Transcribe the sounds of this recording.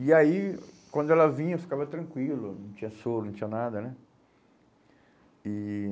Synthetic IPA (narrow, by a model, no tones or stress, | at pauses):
iaikwɐ̃nd̪ʊɛlɐvĩɲɐfi̥kavɐt̪ɾɐ̃ŋkwilʊnɐ̃w̃t͡ʃĩɲɐsoɾnɐ̃t͡ʃĩɲ̃ɐnad̪ɐnɛ | i